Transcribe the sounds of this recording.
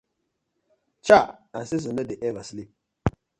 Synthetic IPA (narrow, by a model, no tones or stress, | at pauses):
t͡ʃaansis̬unədiʔɛvaslip̚